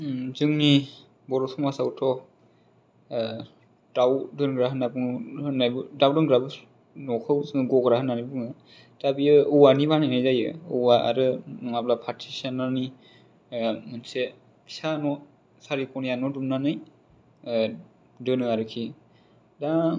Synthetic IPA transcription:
zɯŋni | bɔɾɔsʰɔŋmasawtʰɔ | dawdɯnɡɾaɦɯnabɯŋɯnajbɯdawdɯŋɡɾabɯ | nɔkʰɯbzɯŋɯɡɔɡɾahɯnːanibɯŋɯ | d̥abiɯɯwanibanajnajzajɯɯwaʔa̰ɾɯnɔŋablapʰatʰisanani | mɯnse | kʰi̥sanɔ | saɾipʰɔnijanɔdumnanɯj | dɯnɯaɾɯkʰi | da

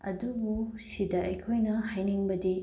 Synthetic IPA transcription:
ɐ̰dubusidɐʔɐjkʰojnɐhajniŋbɐdi

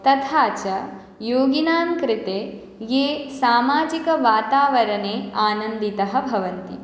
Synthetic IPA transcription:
t̪ɐt̪ʰaːt͡ʃɐ | joːɡinaːmkɾɪt̪eː | jeːsaːmaːd͡ʒikɐʋaːt̪aːʋɐɾɐneːaːnɐnd̪it̪ɐɦɐbʱɐʋɐnt̪i

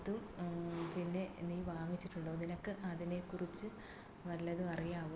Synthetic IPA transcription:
ðumpinːe̞niːʋaːŋit͡ɕːiʈːuɳɖoːninokːɨʔɐðine̞kːurit͡ɕːɨ | ʋɐlːɐðuɐrijaːʋu

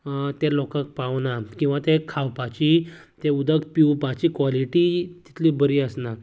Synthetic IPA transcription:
t̪elɔkək̚paʋnakĩw̃ʋat̪ekʰawpat͡ɕit̪eud̪ʱəkpiwpat͡ɕiːkʋaliʈit̪i̥t̪ʰlibəɾiəsna

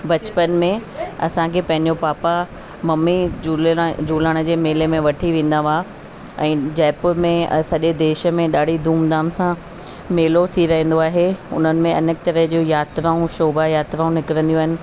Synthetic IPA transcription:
bɐt͡ɕpənmẽɐ̰sãkʰeːpɐ̃ɦɪ̃ɲd͡ʑopaːpa | mɐmːi | d͡ʑuːlaːɽ̃ə̆d͡ʑeːmeːlemẽʋɐʈʰiʋẽːn̆d̪aʋaː | ɛ̃ːd͡ʑɛːpmẽsɐʄed̪eːʃə̆mẽɗaːɽ̤id̪ʱuːmd̪aːmsã | meːlot̪ʰiɾɐɦə̃n̆d̪oaːɦeʊ̰n̤ənɪ̆mẽɐ̰nək̚t̪ɐɾəɦd͡ʑoːjaːt̪ɾaːũʃoːbajaːt̪ɾaːũnɪkɪɾə̃nd̪iuaːɦɪnɪ̆

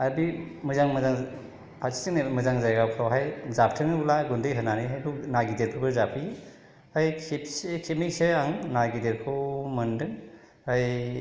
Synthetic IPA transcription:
aɾbimɯzaŋmɯzaŋ | pʰatʰi̥sinmɯzaŋzajɡawkʰawɦajzap̚ʰtʰɯŋɯulaɡundɯjɦɯnaniɦajbunaɡideɾpʰɯbɯɾzapʰi | hajkʰepskʰemik̚seaŋnaɡideɾkʰɯwmɐndɯŋ | haj

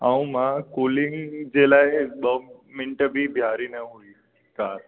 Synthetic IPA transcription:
aũmãkoːlɪ̃ŋd͡ʒelaebəmɪ̃ɳʈəbʱibʱjaːɾinəɦui | kaːɾ

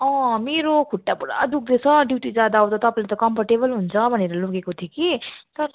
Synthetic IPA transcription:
ʌ̃meɾokʰuʈːapuɽa̰d̪uk̚d̪et͡sʰʌɖjuʈid͡zad̪aɦõt̪ʌt̪ʌpaĩlet̪ʌkʌmpʰaʈebʌlɦunt͡sʰʌbʱʌneɾʌloɡekot̪ʰijekit̪ʌɾ

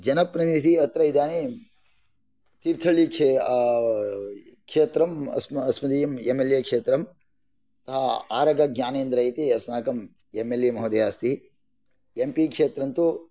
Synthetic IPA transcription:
d͡ʒɐnɐpɾɐnid̪iɐt̪ɾɐid̪aːni | t̪iɾt̪ʰɐɭikt͡ʃe | kʂeːt̪ɾɐmɐ̰smɐsmɐd̪ijɐmemeljɐkʂeːt̪ɾɐm | t̪ɐɦɐa̰ːɾɐɡɐɡjaːneːnd̪ɾɐjit̪iɐsmaːɐkɐm | emeljemɐɦod̪ɐjaːst̪i | empikʂeːt̪ɾɐnt̪u

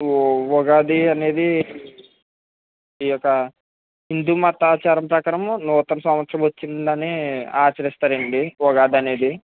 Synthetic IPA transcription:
ɔɡaːd̪iɐne̞ːd̪i | ijɔkːɐ | ɦind̪uːmɐt̪aːt͡ʃaːɾɐmpɾɐkaːɾɐmnuːt̪ɐnɐsɐmʋɐt̪sɾɐmʋot͡ʃːind̪ɐneaːt͡ʃɐɾist̪aːɾeɳɖiʋɔɡaːd̪iɐne̞ːd̪i

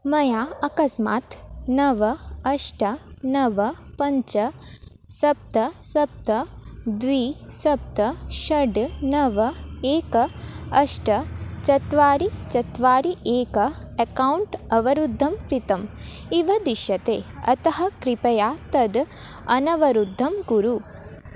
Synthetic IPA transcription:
mɐjaːɐkɐsma̰ːt̪nɐʋɐɐʂʈɐnɐʋɐpɐɲt͡ʃɐ | sɐp̚t̪ɐsɐp̚t̪ɐd̪ʋiːsɐp̚t̪ɐʃɐɖnɐʋɐeːkɐɐʂʈɐt͡ʃɐt̪ʋaːɾit͡ʃɐt̪ʋaːɾiʔeːkɐ | ɐkɐwuɳʈɐʋɐɾud̪ʱːɐmkɾit̪ɐm | iʋɐd̪iʃɐt̪eːɐ̰t̪ɐɦɐkɾipɐjaːt̪ɐd̪ɐnɐʋɐɾud̪ʱːɐmɡuɾu

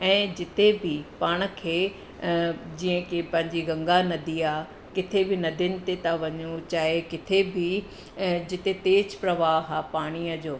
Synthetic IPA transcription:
ɛ̃ːd͡ʑɪt̪ebʱɪpaːɽ̃ə̆kʰeː | d͡ʑiːə̃kepɐ̃ɦɪ̃ɲd͡ʑiɡɐ̃ŋɡanɐd̪iaː | kɪt̪ʰebʱɪnɐd̪ʱɪnɪ̆t̪et̪aʋɐɲut͡ɕaːɦekɪt̪ʰebʱi | d͡ʑɪt̪et̪eːd͡ʑpɾɐʋaːɦaːpaːɽ̃iəd͡ʑoː

